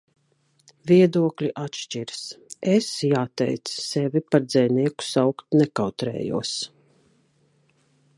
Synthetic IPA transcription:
vʲiɛd̪uɔklʲiʔat̪ʃt͡ʃiɾsesjaːt̪ɛ̰jt̪sːɛvʲipaɾd̪zɛjniɛku̥sawkt̪nɛkawt̪ɾɛ̰ːjṵɔs

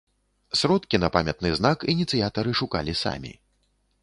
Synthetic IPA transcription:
sɾɔt̪kʲinɐpamʲɐt̪̚nɨznakinʲit̪sɨjat̪ɐɾɨʂuka̰lʲisa̰mʲḭ

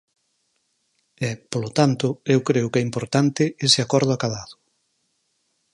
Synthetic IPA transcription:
ɛpolot̪ant̪ʊewkɾeʊkɛimpoɾt̪ant̪ɪesɪakɔɾð̞ʊakaðaðʊ̥

